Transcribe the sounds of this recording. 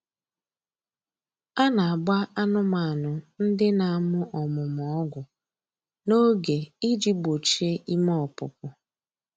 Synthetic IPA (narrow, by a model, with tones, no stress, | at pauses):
a˦na˨a˨ɡ͡ba˦a˦nʊ˦ma˨a˨nʊ˨n̩˦dɪ˦na˨a˨mʊ˦ʔɔ˨mʊ˨mɔɔ˦ɡʷʊ˨ | no˦ɡe˨i˦d͡ʒi˦bo˨t͡ʃe˦ʔi˦mɔ˦˨pʊ̰˨p̚ʊ˨